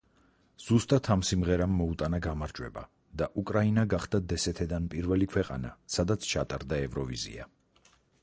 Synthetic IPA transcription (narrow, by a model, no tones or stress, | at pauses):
z̥ust̪ʼat̪ʰamsimʁɛɾamːɔut̪ʼanaɡamaɾd͡ʒʼwɛ̰ba̰ | d̪aʔukʼɾainaɡaχd̪ad̪ɛsɛt̪ʰɛd̪anpʼiɾvɛlikʰwɛqʼa̰na̰sad̪at̪sʰt͡ʃʰat̪ʼaɾd̪aɛvɾɔvizḭa